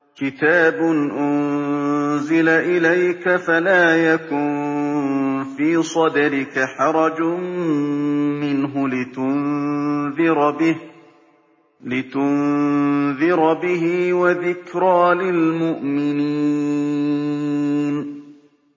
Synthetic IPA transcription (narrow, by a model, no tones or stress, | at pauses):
kɪt̪aːbʊnʔʊn | zɪlaʔɪlajkafalaːjakʊn | fiːsˤɑd̪aɾɪkaħɑɾˤɑd͡ʒ | mɪnɦʊlɪt̪ʊnðɪɾbɪh | lɪt̪ʊn | ðɪɾbɪɦiwaðɪkɾaːlɪlmʊʔmɪni | n